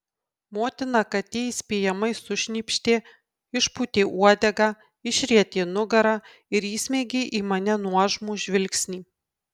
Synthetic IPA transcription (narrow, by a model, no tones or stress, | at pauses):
moːt̪ʲɪnɑkɐt̪ʲiːisʲpʲeːjɛmɐɪsʊʃʲnʲiːpʲʃʲt̪ʲeː | ɪʃput̪ʲeːʔuɔd̪ʲɛɡɑː | ɪʃʲɾʲiɛt̪ʲeːnʊɡɐɾɑː | ɪɾiːsʲmʲeːɡʲeːʔiːmɐnʲɛnuɔʒmuːʒʲʋʲɪlʲksʲnʲiː